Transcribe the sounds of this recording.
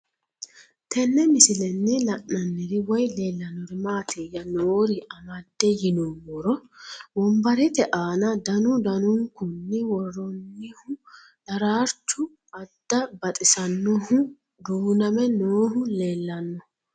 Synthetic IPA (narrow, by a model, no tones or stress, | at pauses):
t̪ʰɛnːɛmɪsɪlɛnːɪlɐʔːɐnːɪd̪ɪwɔjle̞ːlːɐnːɔɾɪmaːt̪ʰeːjɐnoːɾɪʔɐmɐd̪ːɛjɪnɔmɔɾɔbɔmbɐɾɛt̪ɛʔaːnɐd̪ɐnʊd̪ɐnʊŋkʊnːɪwɔrːɔnːɪhʊ | d̥̪ɐɾaːɾt͡ʃːʊ | ɐd̪̥ːɐbɐt̪ʼɪsɐnːɔhʊ | d̪uːnɐmɛnoːɦʊleːlːɐnːɔ